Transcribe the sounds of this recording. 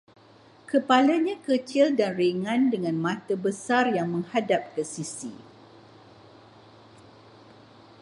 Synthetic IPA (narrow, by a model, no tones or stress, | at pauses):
kəpalaɲãkət͡ʃildanriŋãndəŋãnmãt̪əbəsarjaŋmə̃ŋhadap̚kəsisḭ